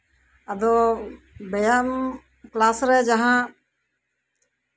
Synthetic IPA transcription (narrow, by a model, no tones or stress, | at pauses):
əd̪oː | bəjaːm | klaːsɾɛːd͡ʒəɦãː